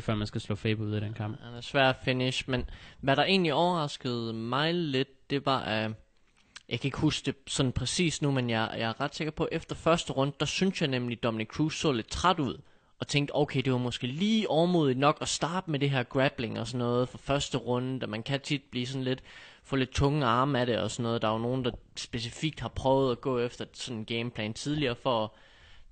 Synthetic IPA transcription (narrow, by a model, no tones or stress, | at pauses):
fɶɐ̰mænsɡ̥æslɔ̰̽ːfeːb̥uð̰ˠæɾ̥enkʰɑ̈m̰b̥ænæɐsʋæɐ̰d̥æfe̝niɕmenʋæɾ̥ɑ̈ʔe̝̰ːnliɒʊɐʁɑ̈sɡ̥əð̞̩ˠmɑ̈ɪle̝d̥̚d̥e̝ʋɑ̈ʔæ | jɑ̈ɪkʰæe̝ɡ̥husɡ̥d̥e̝snn̩pʰʁɛsḭːsnumenjɑjɑ̈æɐʁɑd̥se̝ɡ̥ɐpʰɒ̽ʔefd̥ɐfɶɐsd̥əʁɔ̽nd̥əd̥ɑsynsjɑ̈ɪnemlid̥ɒ̽mnikʰʁuːsɔ̰̽ːle̝d̥t͡sʰʁad̥uð̞̰ˠ | ɒ̽t͡sʰeŋ̰ɡd̥oʊkʰeɪd̥e̝ʋɑ̈mɒ̽sɡ̥e̝̰ːliːʔɒʊɐmuð̞ˠidnɒ̽ɡ̥ɒsd̥ɑ̈ːb̥əmeɾe̝ɦæɐ̰ɡ̥ʁæb̥le̝ŋɒ̽sɒ̽nːɔ̽ːðˠfɒ̽fɶɐsd̥əʁɔ̽nəd̥æmænkʰæt͡sʰid̥̚b̥liːsɒ̽n̩le̝d̥fɔ̽ːle̝d̥̚t͡sʰɔ̽ŋəɑ̈ːməæɾe̝ɒ̽sɒ̽nːɔ̽ːð̩ˠd̥ɑ̈ono̝ːn̩d̥ɑ̈sb̥e̝s̬ifiɡ̥̚d̥hɑ̈pʰʁœʊð̩ˠæɡ̥ɔ̰̽ːefd̥ɐsɒ̽nenɡ̥eɪmpʰlɛ̰ːnt͡sʰið̞ˠliɐːfɒ̽